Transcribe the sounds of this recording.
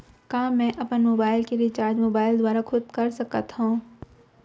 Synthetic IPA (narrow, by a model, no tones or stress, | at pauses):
kãːmɛ̃ʔɐpənmoːbaːɪlkeɾɪt͡ʃaːɾd͡ʒmoːbaːɪld̪waːɾakʰʊd̪kɐɾsɐkət̪ɦũː